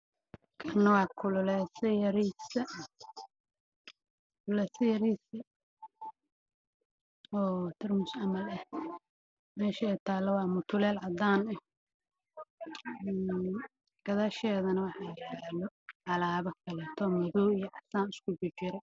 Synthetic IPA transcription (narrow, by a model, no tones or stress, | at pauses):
kʰɐnːɐwɑːkʰʊlʊlɛsɐjɐɾiːsɐ | ʊlɛsɐjɐɾiːsɐ | ɔːt̪ʰɪrmʊsɑmɐlɐh | mɛːʃɐɛjt̪ʰaːlɐwɑːmʊt̪ʰʊlɛːlʕɑd̪aːnɛ | ɡ̥ɐðaʃɛːðɐnɐwɑħɑjlɔʕɑlaːβɐkʰɐlɛːt̪ʰɔmʊðɔːijɔʕɑsaːnɪskʰʊbʊt͡ʃɪɾɛ